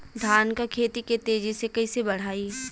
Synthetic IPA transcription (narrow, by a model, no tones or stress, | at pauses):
d̪ʱaːnkakʰeːt̪iket̪eːd͡ʒisekɐisebɐɽ̤aːiː